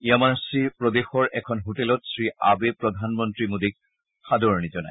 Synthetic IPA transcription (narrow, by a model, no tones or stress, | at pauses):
iamaɹsipɹɔd̪exɔɹʔɛkʰɔnɦotelɔtsɹiʔa̰bepɹɔd̪ʱanmɔntɹimod̪ik̚ | xad̪oɹnizɔna̰j